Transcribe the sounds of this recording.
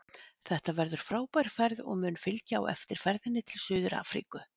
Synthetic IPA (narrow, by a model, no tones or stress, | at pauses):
θɛht̪avɛɾðʏɾ̥fɾaːwpajɾ̥fɛɾðɔ̰ɣmʏːnfɪlcaa̰wɛ̰ft̪ɪɾ̥fɛɾðɪnːɪt̪ʰɪlsʏːðʏɾa̰ːfɾḭkʏ